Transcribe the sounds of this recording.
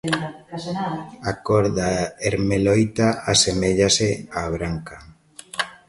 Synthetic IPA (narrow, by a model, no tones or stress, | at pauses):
akoɾðaeɾmelojt̪aasemeʎaseaβɾaŋka